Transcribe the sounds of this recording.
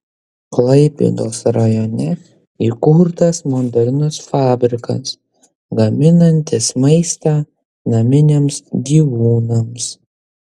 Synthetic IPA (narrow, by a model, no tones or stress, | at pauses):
klˠɐɪpʲḭd̪oːsɾɐjɔnʲɛ | ikʊɾt̪ɐsmond̪ɐɾʲnʊsfɑːbʲɾʲɪkɐ̰s | ɡɐmʲɪnɐnʲt̪ʲɪsmɐɪst̪ɑː | nɐmʲɪnʲeːmsɡʲiːʋuːnɐms